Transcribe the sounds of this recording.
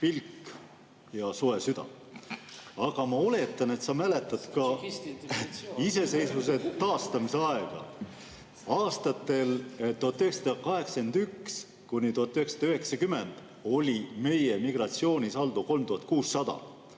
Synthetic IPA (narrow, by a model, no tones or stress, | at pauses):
pilkː | jɑsoe̞syd̪̥ɑ̰ | ɑɡ̥ɑmɑo̞le̞t̪ːˑɑne̞t̪sɑmæle̞t̪ːˑɑd̪̥kɑ | ise̞se̞jsvus̬e̞t̪ɑːst̪ɑmise̞ɑe̞ɡ̥ɑ̰ | ɑːst̪ɑt̪ːˑe̞lt̪uɦɑt̪ːˑyɦeksɑd̪̥ɑkɑɦe̞ksend̪̥yks | kunʲit̪uhɑt̪ːˑyheksɑ̥d̪ɑyɦe̞ksɑkyme̞nd̪̥ | o̞lʲime̞je̞miɡ̥ɾɑt̪sio̞ːnʲisɑld̪̥uko̞lmt̪uhɑt̪̚kuːsːɑd̪̥ɑ̰